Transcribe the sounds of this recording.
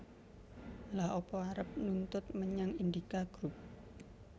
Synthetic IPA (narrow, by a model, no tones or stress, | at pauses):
lahopɔaɾəp̚nunt̪ʊt̪̚məɲaŋind̪ikaɡ̥ɾup̚